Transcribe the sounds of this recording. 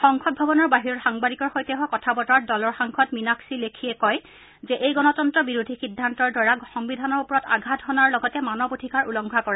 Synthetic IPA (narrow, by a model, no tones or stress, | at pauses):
xɔŋkʰɔt̚bʱabɔnɔɹbaɦiɹɔɹxaŋbadikɔɹxojtɛɦɔkɔtʰabɔtɔɹat̚dɔlɔɹxaŋkʰɔtminaksilekʰijɛkɔj | zɛʔejɡɔnɔtɔntɹɔbiɹudʱixidʱːantɔɹdwaɹaxɔŋbidʱanɔɹupɔɹɔta̰ɡʱatɦɔnaɹlɔɡɔtɛmanɔbotʰikaɹulɔŋɡʱakɔɹa